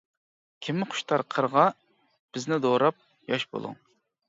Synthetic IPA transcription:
kʲʰimːɪqʰʊ̥ʃt̪ʰɑɾqʰəɾʁɑ | b̥ɪznɪd̪oɾɑp̚ | jɑʃbo̰lˠṵŋ

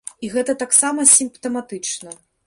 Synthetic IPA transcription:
iɣɛt̪ɐt̪aksamɐsʲimpt̪ɐmat̪ɨt͡ʂnɐ

